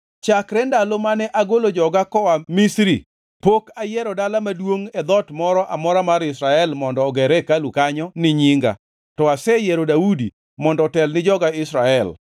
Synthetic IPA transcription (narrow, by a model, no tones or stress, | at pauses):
t͡ʃakɾɛndalomanɛʔaɡolod͡ʒɔɡakɔwamɪsɾḭ | pokajɛɾɔdalamadwoŋɛd̪ɔtmɔɾɔʔamɔɾamaɾɪsɾaɛlmɔndɔːɡɛɾɛkalukaɲɔnɪɲiŋɡa̰ | tɔasɛjɛɾodaudi | mɔndɔtɛlnɪd͡ʒɔɡaɪsɾaɛl